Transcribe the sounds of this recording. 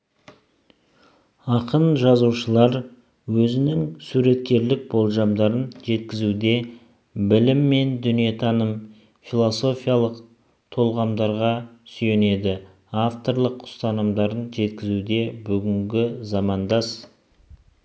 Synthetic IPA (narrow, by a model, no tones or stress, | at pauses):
ɑqənʒɑzuʃəlˠɑɾ | wɵzɪnɪŋsuɾe̞t̪kʲe̞ɾlɪk̚bo̞lˠʒɑmd̪ɑɾənʒe̞t̪kʲɪzud̪e̞ | bɪlɪmːe̞nd̪ʏnije̞t̪ʰɑnəm | filˠo̞so̞fijalˠəq | t̪ʰo̞lˠʁɑmd̪ɑɾʁɑsyje̞ne̞d̪ɪ | aft̪o̞ɾlˠəqʰːʊ̥st̪ɑnəmd̪ɑɾənʒe̞t̪kʲɪzuwd̪e̞bʏɡʲɪŋɡʲɪzɑmɑnd̪ɑs